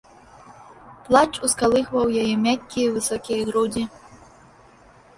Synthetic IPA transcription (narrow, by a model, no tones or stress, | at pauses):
plˠat͡ʃuskalˠɨxvɐwjajɛmʲakʲkʲːijvɨsɔkʲijɣɾudʲi